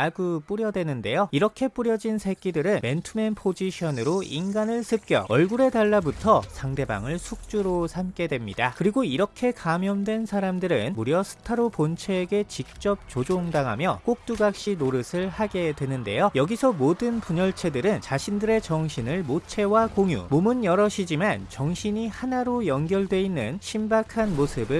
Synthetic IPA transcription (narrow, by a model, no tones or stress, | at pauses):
aɡup͈uɾjʌdwe̞nɯnde̞joiɾʌkʰe̞p͈uɾjʌd͡ʑinsʰe̞k͈idɯɾɯnme̞ntʰume̞npʰod͡ʑiɕʰʌnɯɾoinɡanɯɭsʰɯp̚k͈jʌ̰ʌɭɡuɾe̞taɭːabutʰʌsʰaŋde̞ba̰ŋɯɭsʰuk̚t͡ɕ͈uɾosʰamk͈e̞dwemɲidakɯɾiɡoiɾʌkʰe̞kamjʌmdwe̞nsʰaɾamdɯɾɯnmuɾjʌsʰɯ̥tʰaɾopont͡ɕʰeːɡe̞t͡ɕik̚t͡ɕ͈ʌp̚t͡ɕ͈od͡ʑoŋdaŋɦamjʌk͈ok̚t͈uɡak̚ɕ͈inoɾɯsʰɯɭhaɡe̞dwe̞nɯnde̞̰jojʌɡisʰʌmodɯnpuɲʌɭt͡ɕʰe̞dɯɾɯnt͡ɕaɕʰindɯɾe̞t͡ɕʌŋɕʰinɯɭmot͡ɕʰe̞wakoŋjṵmomɯnjʌɾʌɕʰid͡ʑimant͡ɕʌŋɕʰiɲihanaɾojʌnɡjʌɭdwe̞inːɯnɕʰimbakʰanmosʰɯbɯ